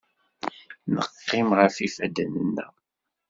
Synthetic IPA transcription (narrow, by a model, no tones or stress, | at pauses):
nə̰qːɪmʁəfifæd̪ənənːæ̰